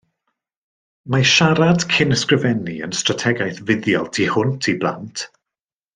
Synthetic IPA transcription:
maʃaɾad̥kʰɪnəskrɪvɛniə̰nstratʰɛɡajθvɪðjɔlˠtʰihʊntʰiblˠa̰ntʰ

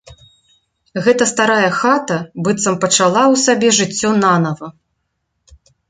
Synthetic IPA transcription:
ɣɛt̪ɐst̪aɾajɐxat̪ɐbɨt̪sɐmpɐt͡ʂalˠawsabʲɛʐɨt͡sʲːɔnanɐvɐ

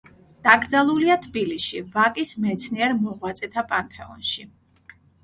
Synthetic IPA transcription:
d̪̥aɡɾd̪zalˠuliat̪ʰbilisʃivakʼismɛt̪sʰniɛɾmɔʁwat̪sʼɛt̪ʰapʼant̪ʰɛɔ̰nʃi

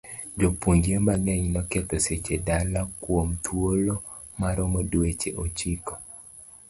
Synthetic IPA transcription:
d͡ʒopuɲd͡ʒembaɡɛɲnɔkɛt̪ɔset͡ʃedalakwomt̪ʰwolo | maɾɔmɔdwet͡ʃeʔot͡ʃikɔ

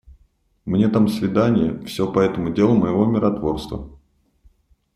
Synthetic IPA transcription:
mnʲe̞t̪amsvʲɪd̪anʲɪjəfsʲopɐɛt̪əmʊdʲe̞lˠʊməjɪvo̞mʲɪɾɐt̪vo̞rst̪və̰

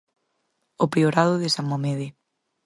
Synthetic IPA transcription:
opɾioɾað̞oðesammomeðe

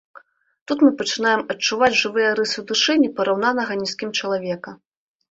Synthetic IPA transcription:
t̪ut̪mɨpɐt͡ʂɨnajɛmɐt͡ʂːuvad͡zʲʐɨvɨjɐɾɨsɨwd̪ɨʂɨnʲipɐɾawnanɐɣɐnʲiskʲimt͡ʂɐlˠavʲɛkɐ

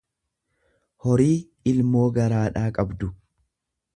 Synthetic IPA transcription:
hɔɾiː | ɪlmo̞ːɡɐɾaːᶑaːkʼɐbd̪ʊ

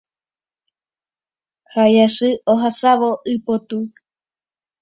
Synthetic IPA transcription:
hajasɨoɦasaʋoʔɨpot̪u

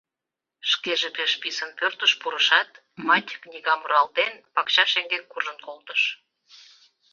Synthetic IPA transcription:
ʃkeʒepeʃpisənpørt̪əʃpuɾəʃɑt̪ | mɑt̪ʲknʲiɣɑmuɾɑlt̪enpɑkɕɑʃeŋɡekːuʒənkolt̪əʃ

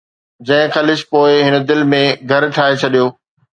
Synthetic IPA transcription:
d͡ʑɐ̃ɦɪ̃xɐlɪʃpoːɪɦɪnə̆d̪ɪlmẽɡʱɐɾʈʰaːɦet͡ɕʰɐɗijoː

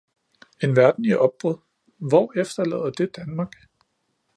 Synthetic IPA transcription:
e̝nʋæɐd̥n̩iʔɒ̽b̥̚b̥ʁɔðˠ | ʋɒefd̥ɐlɛ̰ːð̰ˠɐd̥e̝d̥ænmɑ̈ɡ̥

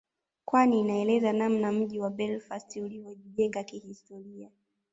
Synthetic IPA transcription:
kwaniːnaɛlɛzanam̩nam̩ʄiwaɓɛlfastulivɔʄiʄɛŋɡakihistɔɾia

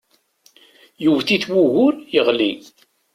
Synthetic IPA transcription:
juvθiθwuʝʊɾjəʁli

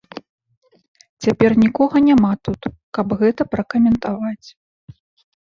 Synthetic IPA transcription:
t͡sʲapʲɛrnʲikɔɣɐnʲamat̪ut̪ | kɐbɣɛt̪ɐpɾɐkɐmʲɛnt̪avat͡sʲ

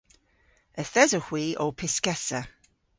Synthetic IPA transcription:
əθɛzəhwiːʔoːpʰɪskɛsə

